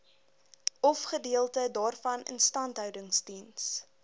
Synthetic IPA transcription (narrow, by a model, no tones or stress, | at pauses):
ɔfχədiəlˠtədɑːrfɐnə̰nstɐntɦœwdəŋstins